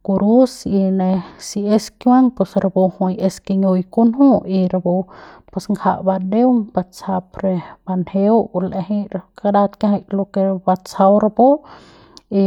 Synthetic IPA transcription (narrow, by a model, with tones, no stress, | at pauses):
ku˧ɾu˦si˧ne˧si˧e˧skjwaŋpe˧sɾa˧bo˧hũ˧je˧ske˧ɲo˧i˧ku˦nhũ˦i˧ɾa˧bo˧pe˧sŋɡʰa˧ʔba˧d̪e˦wŋba˧t͡sa˧pɾe˧ba˧nhe˧wle˧ɦi˧ɾaka˧da˧t̪kãɦa˧jlo˧ke˧ɾba˧t͡sa˧wɾa˧bo˦ | i˧